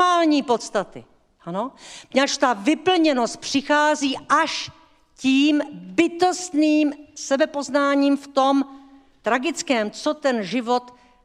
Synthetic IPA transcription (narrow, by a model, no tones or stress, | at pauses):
aːlɲiːpo̞t̪st̪at̪ɪ̰ | ʔanoɲat͡ʃt̪avɪpl̩ɲɛno̞st̪̚pr̝̥ɪxaːziːʔaʃ | ciːmbɪt̪o̞st̪niːmsɛbɛpo̞znaːɲiːmft̪o̞m | t̪ɾaɡɪt͡skɛːmt͡so̞t̪ɛnʒɪvo̞t̪